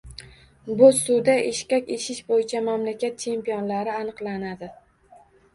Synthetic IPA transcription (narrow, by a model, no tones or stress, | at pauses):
bʊsʊwd̪aʔeʃkʲakʲeʃɪʃbojɪt͡ʃʰamamlakʲʰat̪̚t͡ʃʰe̞mpijɒnlaɾɪanɨqlˠanad̪ɪ